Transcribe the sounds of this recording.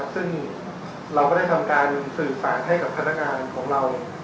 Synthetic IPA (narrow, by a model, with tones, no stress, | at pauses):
sɯ˥˩ŋ | ɾa˧wkɔː˥˩da˥˩jt̪ʰa˧mkaː˧nsɯː˨˩saː˩˦nɦa˥˩jka˨˩pt̪ʰa˧na˥˩k̚ŋaː˧nkʰɔː˩˦ŋɾa˧w